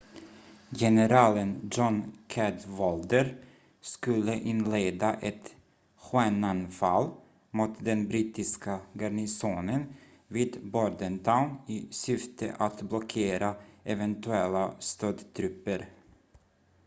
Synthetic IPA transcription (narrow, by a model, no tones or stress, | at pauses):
jɛnəɾɑːlənd͡ʒɔnkʰɛd̪vɔld̪əɾ | skɵlːəʔɪnleːd̪aʔɛt̪ | ɧenanfalː | muːt̪d̪ɛnbɾiːt̪ɪskaɡaɳɪsoːnən | viːd̪bɔɖ̪ənt̪ʰaʊnɪsʏft̪ʰə̰ʔat̪blɔkʰeːɾaɛvɛnt̪ʉɛlːast̪øːd̪t̪ʰɾɵpːəɾ